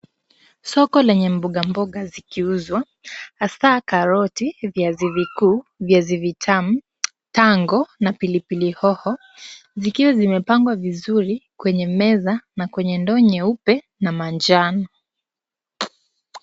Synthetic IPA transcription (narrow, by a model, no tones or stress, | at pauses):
sɔkɔlɛɲɛm̩buɠambɔɠazikiuzwa | asaːkaɾɔtivjazivikuːvjazivitʰam̩ | taŋɡɔnapilipilihɔhɔ | zikiwazimɛpaŋɡwavizuɾikwɛɲɛmɛzanakwɛɲɛndɔɲɛupɛ | namand͡ʒanɔ